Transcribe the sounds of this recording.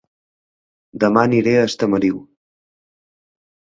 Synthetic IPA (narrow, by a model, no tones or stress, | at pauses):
d̪əmaniɾeəst̪əməɾiw